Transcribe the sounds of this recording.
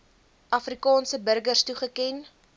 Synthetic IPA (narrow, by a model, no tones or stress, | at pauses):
ʔɐfrikɑːnsəbərɡərstuχəkɛn